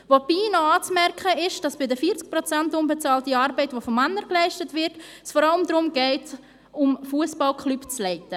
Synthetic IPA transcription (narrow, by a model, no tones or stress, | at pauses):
vopiːnoɑːt͡smɛɾkχəɪʃd̥ɑsb̥ɪdəfiːt͡sk̚pɾot͡santʊmbɛt͡sɑːltiɑːɾbɛɪtvofomːanːəɾklɛɪʃtətvɪɾt | sfɔɾɑləmd̪ɾʊmɡ̥ɛɪt | ʊmfuəsbɑlkχlypt͡slɛɪtə